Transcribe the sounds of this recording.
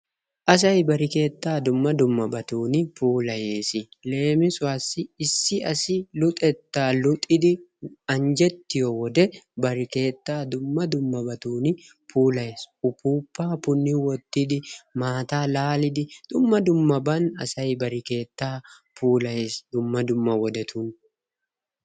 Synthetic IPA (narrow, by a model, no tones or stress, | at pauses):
ʔɐs̬ɐjbɐɾɪke̞ːt̪ːaːd̪ʊmːɐd̪ʊmːɐbɐt̪uːnɪpuːlɐje̞ːsɪle̞ːmɪsʊwaːsɪɪsːɪɐsɪlʊt̪ʼɛt̪ːaːlʊt̪ʼːɪd̪ɪɐnd͡ʒɛt̪ːɪjɔwɔd̪ɛbɐɾɪke̞ːt̪ːaːd̪ʊmːɐd̪ʊmːɐbɐt̪uːnɪ | puːlɐjeːsʊpuːpːaːpʊnːɪwɔt̪ːɪd̪ɪmaːt̪aːlaːlɪd̪ɪd̪̥ʊmːɐd̪ʊmːɐbɐnɐ̰sɐjbɐɾɪke̞ːt̪ːaː | puːlɐjeːsd̪ʊmːɐd̪ʊmːɐwɔd̪ɛt̪ʰʊn